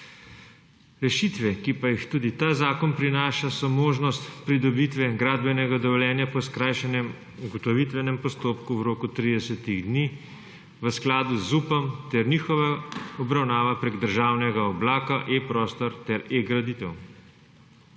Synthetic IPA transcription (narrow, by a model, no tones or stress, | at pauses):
ɾɛʃit̪ʋɛkipajixt̪uːd̪it̪aːzaːkɔnpɾinaːʃasɔmoːʒnɔst̪pɾid̪ɔbit̪ʋɛɡɾaːd̪bɛnɛɡad̪ɔʋɔljɛːnjapɔskɾajʃɛnɛm | uɡɔt̪ɔʋit̪ʋɛnɛmpɔst̪oːpkuwɾoːkut̪ɾid̪ɛsɛt̪iɣd̪niː | ʋəsklaːd̪uzːuːpɔmt̪ɛɾniːxɔʋaɔbɾawnaːʋapɾeːɡd̪əɾʒaːwnɛɡaɔblaːkaʔepɾɔːst̪ɔɾt̪ɛɾeɡɾad̪it̪ɛw